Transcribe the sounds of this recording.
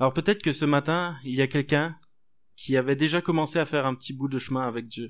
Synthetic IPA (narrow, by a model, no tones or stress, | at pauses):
alɔʁpøt̪ɛt̪χə̥kəsəmat̪ɛ̃iljakʲɛlkʲɛ̃ | kʲʰiavɛd̪eʒakɔmɑ̃seafɛʁɛ̃pət̪ʰibud̪əʃmɛ̃avɛk̚d̪jø